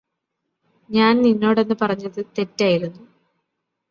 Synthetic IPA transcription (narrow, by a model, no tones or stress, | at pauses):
ɲaːnninːo̞ːɽe̞nːɨpɐrɐɲːɐðɨt̪e̞tːaːjiɾunːu